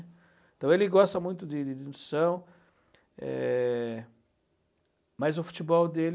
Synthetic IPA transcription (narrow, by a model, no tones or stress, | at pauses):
ẽt̪ɐ̃w̃elɪɡɔst̪ɐmũj̃t̪ʊd̪ɪd̪ɪd̪ɪnsɐ̃w̃ | ɛ̰ | mɐzʊfu̥t͡ʃ̪ibɔwd̪el